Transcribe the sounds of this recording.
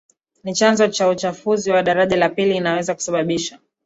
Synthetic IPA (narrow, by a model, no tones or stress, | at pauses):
nit͡ʃanzɔt͡ʃaut͡ʃafuziwaɗaɾaʄalapiliːnawɛzaku̥saɓaɓiʃa